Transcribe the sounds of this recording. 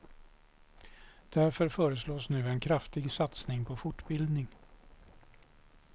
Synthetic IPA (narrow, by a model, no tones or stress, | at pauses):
d̪̥æɾfœɾfœːɾəsloːsnʉ̟ːɛnkʰɾaft̪ɪɡsat̪snɪŋpʰɔfʊʈːbɪld̪nɪŋ